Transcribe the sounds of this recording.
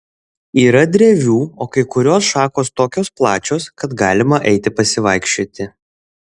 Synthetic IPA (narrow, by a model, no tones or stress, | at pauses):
iːɾɐd̪ʲɾʲeːʋʲuːoːkɐɪkʊɾʲoːsʃɑːkoːst̪oːkʲoːsplˠɑːt͡ʃʲoːskɐt̪ɡɑːlʲɪmɐʔɛɪt̪ʲɪpɐsʲɪʋɐɪkʃʲt͡ʃʲoːt̪ʲɪ